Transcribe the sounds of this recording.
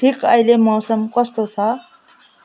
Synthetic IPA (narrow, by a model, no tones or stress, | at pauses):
ʈʰikajlemɔwsʌmkʌst̪ot͡sʰʌ